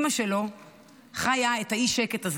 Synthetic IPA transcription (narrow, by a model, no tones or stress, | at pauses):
maʃelo̞ | χajaethaiʃeketaz